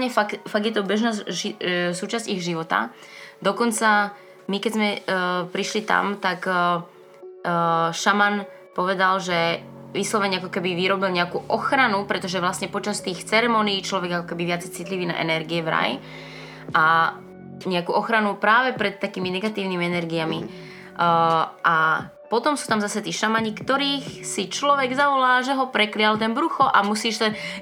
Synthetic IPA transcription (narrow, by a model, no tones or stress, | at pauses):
ɲɛfakfaɡjɛt̪ɔbɛʒnaːisuːt͡ʃazciɣʒiʋɔt̪a̰ | d̪ɔkɔnt͡sa | mikɛzmɛpɾiʃlit̪a̰mt̪ak | ʃaman | pɔʋɛd̪alʒɛʋiːslɔʋɛɲakɔkɛbiʋiɾɔbilɲɛakuːʔɔxɾanupɾɛt̪ɔʒɛʋlasɲɛpɔt͡ʃast̪iːxt͡sɛɾɛmɔniːt͡ʃlɔʋɛɡakɔkɛbiʋɪat͡sɛjt͡sit̪liʋiːna̰ʔɛ̰nɛɾɡiɛvɾa̰j | ʔa | ɲɛakuːʔɔxɾanupɾaːʋɛpɾɛt̪ːakiːminɛɡat̪iːʊnimiɛnɛɾɡiami | ʔa | pɔt̪ɔmsuːt̪amzasɛt̪iːʃamaɲikt̪ɔɾiːxsit͡ʃlɔʋɛɡzaʋɔlaːʒɛɦɔpɾɛklɪalt̪ɛnbɾuxɔʔamusiːʃt̪ɛ